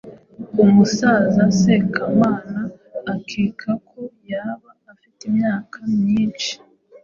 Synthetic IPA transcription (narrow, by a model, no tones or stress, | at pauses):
umusaːzase̞kʰamaːnaː | kʰikʰakʰo̞jaβaːfitimɲaːkʰamɲiːnt͡ʃi̥